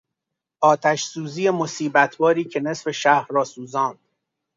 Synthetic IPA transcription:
ʔɒːt̪ʰæʃsuːziːjemo̞siːbæt̪ʰbɒːɾiːcʰe̞nesfe̞ʃæhɾːɒːsuːzɒːnd̪̥

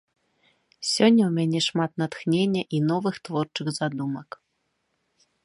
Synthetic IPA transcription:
sʲɔnʲːɐwmʲanʲɛʂmat̪nat̪xnʲenʲːɐʔinɔvɨxt̪vɔrt͡ʂɨxzad̪umɐk

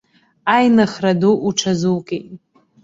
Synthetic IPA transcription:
ajnaχraduʔuʈ͡ʂʰazukʼetʼ

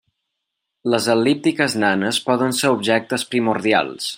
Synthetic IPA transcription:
ləzəlːip̚t̪ikəznanəspɔðənseɾubʒɛk̚t̪əspɾimuɾðia̰lˠs

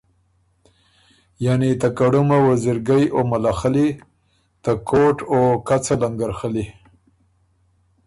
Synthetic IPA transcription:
janit̪akaɽumawaziɾɡajomalaxali | t̪akʰoʈokat͡salaŋɡaɾxəli

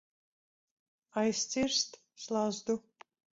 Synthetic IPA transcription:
ɑjsʲt͡sirst̪ | slˠɑzd̪u

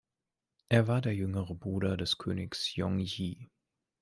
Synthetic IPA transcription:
ʔeːɐvaːɐdeːɐjʏŋəʁəbʁuːɾɐdɛskʰø̰ːnɪksjɔŋjiː

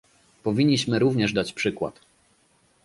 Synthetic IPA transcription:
pɔvʲiɲːiɕmɘɾuvɲɛʐd̪at͡ɕpʂɘkwa̰t̪

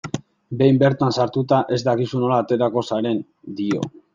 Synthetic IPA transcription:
be̞jmbe̞ɾt̪ansaɾt̪ut̪aʔe̞zd̪akisuno̞laːt̪e̞ɾako̞saɾe̞n | d̪io̞̰

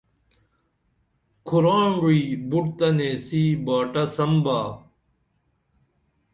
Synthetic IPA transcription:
kʰuɾaːɳɾuiːbuʈt̪ɐneːsiːbaːʈɐsɐmbaː

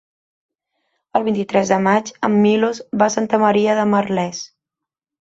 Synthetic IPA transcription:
əlˠβint̪it̪ɾɛzðəmad͡ʒə̰mːilozβasant̪əməɾiəðəmərlɛs

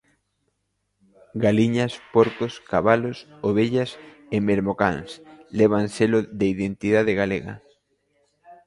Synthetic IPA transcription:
ɡaliɲaspoɾkoskaβalos | oβ̞eʎas | emeɾmoka̰ŋsleβ̞anselʊðeiðent̪iðaðeɣaleɣɐ̰

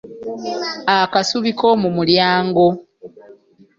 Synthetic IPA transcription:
akasuβiko̞mumuljaːŋɡo̞

